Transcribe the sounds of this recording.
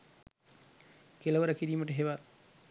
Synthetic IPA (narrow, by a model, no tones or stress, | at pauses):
kelɐʋəɾəkiɾiːməʈəɦeʋa